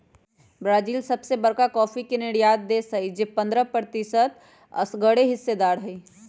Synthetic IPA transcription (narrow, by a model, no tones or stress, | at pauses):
bɾaːd͡ʒiːlsɐbsebəɾkakɔːfikenɪɽijaːt̪̚d̪esəid͡ʒepɐ̃nd̪ɾəpɾət̪ɪsət̪ | ɐ̰sɡəɽeɦɪsːed̪aːɾɦɛ